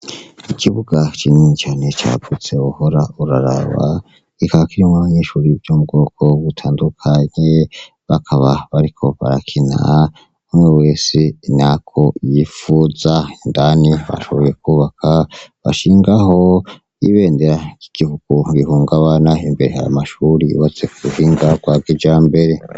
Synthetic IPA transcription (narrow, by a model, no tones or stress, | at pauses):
ikiβuɡat͡ʃiniɲt͡ʃaːne̞t͡ʃa̰ɡut͡se̞uho̞ɾauɾaɾa̰βa̰ | ɡikaβakiɾimŋaβaɲeʃuɾibjomubɡo̞ːkʰo̞βutʰaːndukʰaɲe | βakʰaβaβaɾikʰo̞βa̰ɾakʰina̰ | umweweːsinakʰo̞jifuːzaindaniβa̰ʃo̞βo̞je̞kuβakʰaβa̰ʃiːŋɡaho̞ | iβe̞ːndeɾaki̥ɡ̥ihuɡ̥uɾihuːŋɡaβanaimbe̞ɾe̞ha̰ja̰maʃuɾiṵβat͡se̞kuuhiːŋɡaɡ̥waːɡed͡ʒaːmbe̞ɾe̞